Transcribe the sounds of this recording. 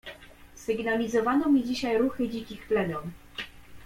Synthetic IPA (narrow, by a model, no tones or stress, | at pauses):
sɘɡnalʲizɔvanɔmʲid͡ʑiɕajɾuxɘd͡ʑikʲixtlɛmʲjɔm